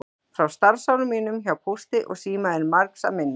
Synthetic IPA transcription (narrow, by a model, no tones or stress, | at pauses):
fɾawst̪aɾsawlʏmiːnʏmçawpʰust̪ɪʔɔ̰ɣsiːmaðɛnmaɾksa̰mɪnː